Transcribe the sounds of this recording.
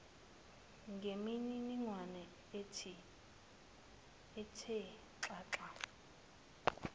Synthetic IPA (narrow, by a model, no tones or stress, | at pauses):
ŋɡʱemiɲiniŋwanɛ | etʰi | tʰɛ | ǁaːǁa